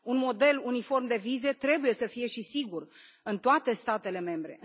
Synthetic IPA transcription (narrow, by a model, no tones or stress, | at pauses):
unmo̞d̪e̞lunifo̞rmd̪e̞vize̞t̪ɾe̞buje̞səfije̞ʃisiɡur | ɨnt̪oat̪e̞st̪at̪e̞le̞me̞mbɾe̞̰